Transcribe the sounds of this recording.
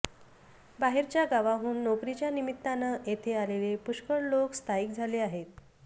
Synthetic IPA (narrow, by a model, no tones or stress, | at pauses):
baɦeɾt͡ɕjaɡaʋaɦuːnːokɾit͡ɕjanimit̪ːanaʔet̪ʰealelepuɕkəɽlokst̪ʰaiːk̚d͡zʱaleaɦet̪̚